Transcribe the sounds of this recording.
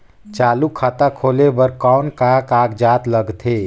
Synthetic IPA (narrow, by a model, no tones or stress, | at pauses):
t͡ʃaːlukʰaːt̪akʰoːlebəɾkɔːnkakaːkd͡ʒaːt̪ləɡt̪ʰeː